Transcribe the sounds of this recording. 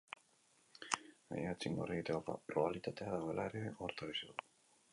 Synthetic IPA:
a̰jat͡siŋɡoreɣit̪eoa̰proβalit̪at̪e̞aðaɣo̞e̞laeɾeoɾt̪aɾisiu

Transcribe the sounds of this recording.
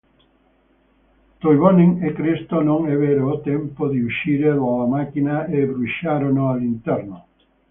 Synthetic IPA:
t̪ojβonẽŋekɾest̪onõŋɛβeɾoːt̪empoðeuʃiɾeloamakinaeβɾuʃaɾonoalint̪eɾno

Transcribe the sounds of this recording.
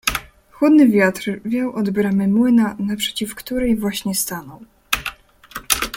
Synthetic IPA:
xwud̪nɘvʲjat̪ɾvʲjawʔɔd̪bɾamɘmwɘnanapʂɛ̥t͡ɕifkt̪uɾɛjvwaɕɲɛst̪anɔw

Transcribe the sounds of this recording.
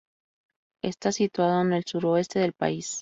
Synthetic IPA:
e̞st̪asit̪waðo̞ene̞lsuɾo̞e̞st̪e̞ðe̞lpa̰is

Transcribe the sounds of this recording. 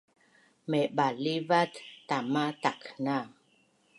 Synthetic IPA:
mɛɓalivat̪ːamat̪akna

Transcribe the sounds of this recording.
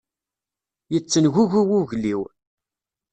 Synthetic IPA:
jət͡sːənʝuʝuwuʝliw

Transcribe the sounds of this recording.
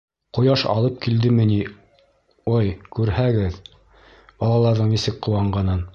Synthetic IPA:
qŏjɑʃɑ̰lˠɤp̚kild̪ɘmɘ̆ni | ojkʉɾhæɡɘð | b̥ɑlˠɑlˠɑɾðɤɴnisɘkqŏwɑɴɢɑnɤn

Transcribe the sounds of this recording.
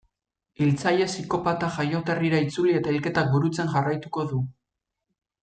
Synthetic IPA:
ilt͡sajesiko̞pat̪aʝajo̞t̪e̞riɾait͡sulie̞t̪aelke̞t̪ak̚buɾut͡se̞ŋʝarajt̪uko̞ðu

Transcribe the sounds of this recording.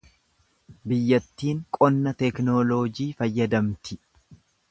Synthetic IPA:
bɪjːɐt̪ːiːŋkʼɔnːɐt̪ɛknoːloːd͡ʒiːfɐjːɐd̪ɐmt̪ʰɪ

